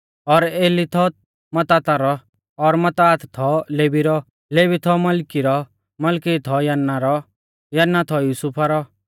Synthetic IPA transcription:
ɔɾeːlit̪ʰɔ | mɐt̪aːt̪aɾɔ | ɔɾmɐt̪aːt̪t̪ʰɔleːbiɾɔ | leːbit̪ʰɔmɐlkiɾɔ | mɐlkit̪ʰɔjɐnːaɾɔ | jɐnːat̪ʰɔjuːsupʰaɾɔ

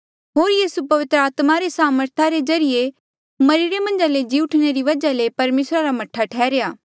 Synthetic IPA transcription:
ɦoːɾjiːsupɐʋɪt̪ɾəaːt̪maɾesaːməɾt̪ʰaɾezɐɾɪje | mɐɾiɾemɐ̃nd͡ʒaled͡ʒiːʊʈʰɽ̃eɾiʋɐd͡ʒalepɐɾmeːsɾaɾamɐʈʰːaʈʰɛːɾejaː

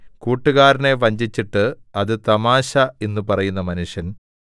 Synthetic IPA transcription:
kuːʈːuɣaːɾɐne̞ʋɐɲd͡ʑit͡ɕːiʈːɨɐðɨt̪ɐmaːɕɐe̞nːupɐrɐjunːɐmɐnuʂjɐn

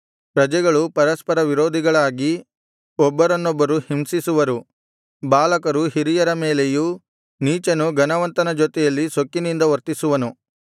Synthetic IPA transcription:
pɾɐd͡ʒɛɡɐɭupɐɾɐspɐɾɐʋiɾoːd̪ʱiɡɐɭaːɡi | ɔbːɐɾɐnːɔbːɐɾuhimsisuʋɐɾu | baːlɐkɐɾuɦiɾijɐɾɐmeːleju | niːt͡ʃɐnuɡɐnɐʋɐnt̪ɐnɐd͡ʒot̪ɛjɐlːisokːinind̪ɐʋɐɾt̪isuʋɐnu

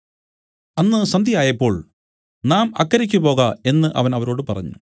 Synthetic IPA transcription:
ɐnːɨsɐnd̪ʱijaːjɐpːo̞ːɭ | naːmɐkːɐɾikʲːupo̞ːɣae̞nːɨʔɐ̰ʋɐnɐʋɐɾo̞ːɽɨpɐrɐ̰ɲːu

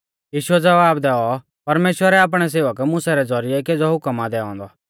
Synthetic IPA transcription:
jiːʃuɛd͡zɐʋaːbd̪ɛɔ | pɐɾmeːʃwəɾɛaːp̬ɽ̃ɛs̬eːʋəkmʊsɛɾɛd͡zɔɾɪjɛked͡zɔɦʊkəmad̪ɛɔ̰̃ːnd̪ɔ

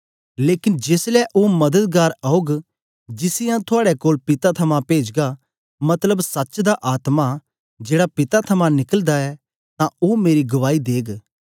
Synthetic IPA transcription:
leːkɪnd͡ʒeːslɛʔomɐd̪əd̪̚ɡaːɾaoɡ | d͡ʒɪsɪjãt̪ʰʊaːɽɛkoːlpɪt̪at̪ʰɐmãpeːd͡ʒɡa | mɐt̪ləbsɐt͡ʃd̪aʔaːt̪ma | d͡ʒeːɽapɪt̪at̪ʰɐmãnɪkəld̪aɛ | t̪ãomeːɾiɡɐʋaːid̪eːɡ

